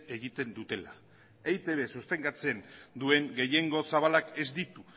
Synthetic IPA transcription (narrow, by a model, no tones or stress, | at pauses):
e̞ɣit̪e̞nd̪ut̪e̞la̰ | ejt̪e̞βe̞sust̪e̞ŋɡat͡se̞nd̪ue̞ŋɡe̞je̞ŋɡo̞saβ̞alake̞zd̪it̪u